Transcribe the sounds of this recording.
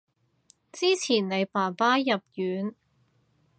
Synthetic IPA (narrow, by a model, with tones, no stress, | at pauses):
t͡siː˥t͡sʰiː˨˩nne˨˧jpaː˨˩npaː˥jɐ˨p̚jyː˨˥n